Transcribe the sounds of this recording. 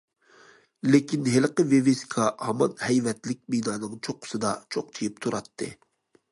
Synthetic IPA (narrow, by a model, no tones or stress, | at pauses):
lekʲinɦelqəveveskʰɑhɑmɑnhɛjvɛt̪lɪk̚ʲmid̪ɑːnɨŋt͡ʃʰoqʰʊ̥sɨd̪ɑt͡ʃʰoq̚t͡ʃʰijip̚t̪ʰuɾɑt̪ʰːɨ̰